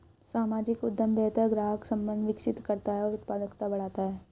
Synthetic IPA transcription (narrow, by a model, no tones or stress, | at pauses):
saːmaːd͡ʒɪkʊd̪ːjəmbʱɛːt̪əɡɾaːɦəksɐ̃mbə̃nd̪ʋɪkʃɪt̪kɐɾt̪aɦɛɔːɾʊt̪paːd̪əkt̪abɐɽ̤aːt̪aɦɛː